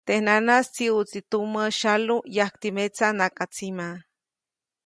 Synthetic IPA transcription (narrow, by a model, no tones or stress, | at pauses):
t̪ehnanast͡siut͡sit̪umaʃalujahkt̪imet͡sanakʼat͡sima